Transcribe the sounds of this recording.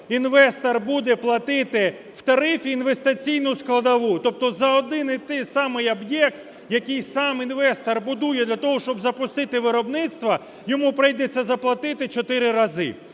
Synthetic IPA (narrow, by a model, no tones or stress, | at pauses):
inʋɛst̪ɐrbud̪ɛplˠɐt̪ɪt̪ɪ | w̥t̪ɐɾɪfʲiːnʋest̪ɪt͡sʲijnʊsklˠɐd̪ɐʋut̪ɔp̚t̪ɔzɐɔd̪ɪnɪt̪ɪjsɑmɪjɐbjɛkt̪ | jɐkɪjsɑminʋɛst̪ɐrbʊd̪ujɛd̪lʲɐt̪ɔɦɔʃt͡ʃɔbzɐpʊst̪ɪt̪ɪʋɪɾɔbnɪt̪st̪ʋɐ | jɔmupɾɪjd̪et͡sʲːɐzɐplˠɐt̪ɪt̪ɪt͡ʃɔt̪ɪɾɪɾɐzɪ̰